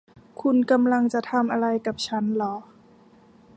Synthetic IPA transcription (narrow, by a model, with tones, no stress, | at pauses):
kʰu˧nka˧mla˧ŋt͡ɕa˨˩t̪ʰa˧mʔa˧ɾa˧jka˨˩p̚t͡ɕʰa˦˥nlɔ˩˦